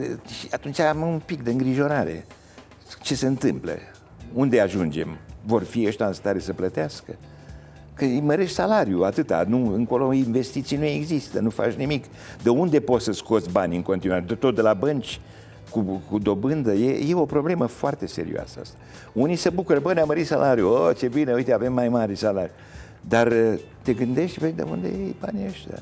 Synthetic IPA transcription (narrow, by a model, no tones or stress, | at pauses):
ʃiat̪unt͡ʃaamumpik̚d̪eɨŋɡɾiʒo̞ɾaɾe̞̰ | t͡ʃe̞seɨnt̪ɨmplə̰ | und̪e̞aʒund͡ʒe̞̰mvo̞rfiəʃt̪aɨnst̪aɾe̞səplət̪easkə | kəməɾe̞ʃt̪ʲsalaɾjuat̪ɨt̪a̰nuɨŋko̞lo̞inve̞st̪it̪sijnue̞ɡzist̪ənufa̰t͡ʃnimik | d̪əund̪e̞po̞t̪səsko̞t̪sbanʲɨŋko̞nt̪inuaɾed̪et̪ot̪̚d̪elabənt͡ʃʲ | kukud̪o̞bɨnd̪əjejeo̞pɾo̞ble̞məfoart̪e̞se̞̰ɾḭoa̰səa̰st̪ḁ | unisebukuɾəbənʲaməɾit̪salʔaɾjuot͡ʃe̞bineujt̪eave̞mːajmaɾesalaɾju | d̪art̪e̞ɡɨnd̪e̞ʃt̪ʲved̪ḛṵnd̪ḛjejba̰nʲəʃt̪ʲa̰